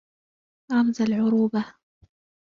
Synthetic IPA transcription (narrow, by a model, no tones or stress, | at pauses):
ɾˤɑmzalʕʊɾuːba